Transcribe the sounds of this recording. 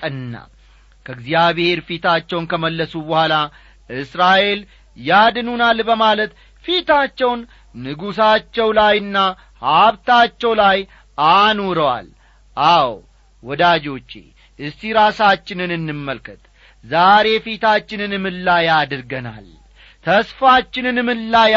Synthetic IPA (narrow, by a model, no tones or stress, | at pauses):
t̪ʼənːa̰ | kʰəɡzijaβhe̞ɾfit̪ʰat͡ʃːɛwnkʰəməlːəsubəhʷala | ʔɨsɾaʔe̞l | jad̪nunalbəmalət̪ | fit̪at͡ʃːɛwnː | ɨɡusat͡ʃːɛwlajɨnːa | haβt̪at͡ʃːɛwlaj | ʔanoɾəwa̰l | ʔaw | wɔd̪ad͡ʒo̞t͡ʃːḛ | ʔɨsiɾasat͡ʃːɪnɨnɨnːɨmːəlkʰɨt̪ | zaɾe̞fit̪ʰat͡ʃːɪnɨnɨmɨnlajad̪ɨɾɡəna̰l | t̪ʰəsfat͡ʃːɪnɨnɨmɨnlːa